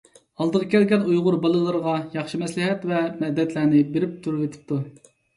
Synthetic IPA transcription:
ɑlˠd̪əʁɑkʲʰɛlɡʲɛnujʁʊɾbɑlˠɨlˠɨɾʁɑjɑχʃimɛslɪɦɛt̪vɛmɛd̪ːɛt̪ʰlæɾnɪbeɾɪp̚t̪ʰuɾet̪ʰɪ̥p̚t̪ʰu

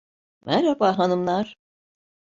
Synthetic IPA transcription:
mʔɛɾɛbaɦanɯmlˠaɾ̥

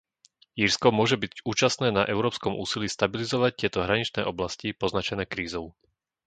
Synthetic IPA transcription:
iɾskɔmʊɔʒɛbiuːt͡ʃast̪nɛːnaʔɛʊɾɔːpskɔmṵːsilist̪abilizɔʋac̚t̪ɪɛt̪ɔɦɾaɲit͡ʃnɛːʔɔblascipɔznat͡ʃɛnɛːkɾiːzɔʊ

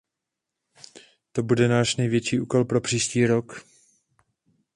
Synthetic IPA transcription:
t̪o̞budɛnaːʃnɛjvjɛt͡ʃiːʔuːko̞lpɾo̞pr̥iːʃciːɾo̞k

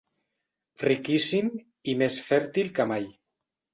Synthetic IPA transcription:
rikisim | imesfɛɾt̪ilkamaj

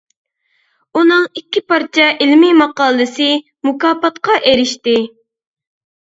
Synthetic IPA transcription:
unɨŋikʲːipɑɾt͡ʃʰɑʔɪlmɪmɑqɑːlˠɨsɨ | mukɑːpɑt̪qɑʔeɾɪʃt̪ɪ

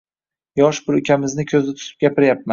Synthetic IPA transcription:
jɒʃbɪɾʊkʲʰamɪznɪkʲʰɵzɪt̪ʰʊ̥t̪ʰɪ̥p̚ɡʲapɪɾjap̚man

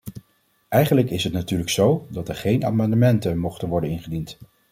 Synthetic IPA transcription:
ʔɛjχənləkɪsɦətnatyːɹləksowdɑtɛɹχejna̰ːmɑndəmɛntənmɔχtənʋɔɹdənɪnχədint

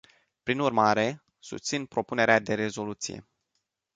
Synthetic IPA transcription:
pɾinurmaɾe̞ | sṵst̪sinpɾo̞pune̞ɾead̪e̞ɾe̞zo̞lut̪sḭje̞̰

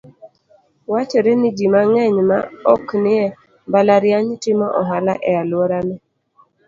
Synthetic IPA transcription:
wat͡ʃɔɾenɪd͡ʒimaŋɛɲma̰ɔknɪɛ | balaɾjaɲtɪmɔʔɔɦalaʔɛalwɔɾanɛ

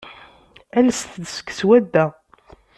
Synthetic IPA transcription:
ælsθd̪sə̥kːswæd̪ːæ

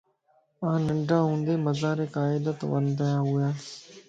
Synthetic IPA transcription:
ãːnɪɳɖʱãːɦũːnd̪eːməzaːɾeːkaːɪd̪ət̪ʋə̰nd̪əjaːɦʊjaː

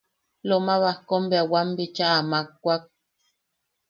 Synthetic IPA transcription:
lomaβahkombeawambit͡ʃaʔamak̚ːʷak̚

